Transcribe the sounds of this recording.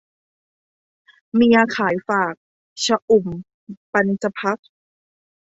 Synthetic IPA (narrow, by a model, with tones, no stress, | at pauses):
miː˧ʔa˧kʰaː˩˦jfaː˨˩k̚ | t͡ɕʰa˧ʔu˨˩m | pa˧nt͡ɕa˧pʰa˦˥k̚